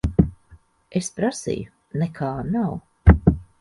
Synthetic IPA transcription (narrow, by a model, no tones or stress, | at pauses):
espɾasḭju | nɛkʰaːnaw